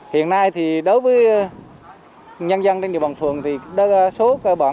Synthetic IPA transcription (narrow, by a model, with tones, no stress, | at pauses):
hḭ˧˨ənːa˧jt̪ʰi˨˩ɗo˨˦jvəː˨˦j | ɲə˧nza˧nt͡ɕŋ͡mɗḭ˨wɓaː˨˩nfɨ˨˩əŋt̪ʰi˨˩ɗso˨˦kə˧ɓaː˧˩